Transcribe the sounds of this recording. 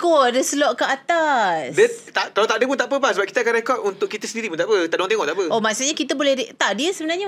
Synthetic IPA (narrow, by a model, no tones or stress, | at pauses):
kɔdəsəlɔʔkəat̪asdət̪aʔkalat̪aʔdəp̬unt̪aʔpəbasəbap̚ki̥t̪əakanɾɛkɔt̚unt̪ʊʔkːit̪əsəndiɾipunt̪aʔpət̪aʔdoaŋt̪eŋɔʔt̪aʔpəʔomaʔsuʔɲakit̪əbolɛhdt̪aʔdiəsəbənaɲa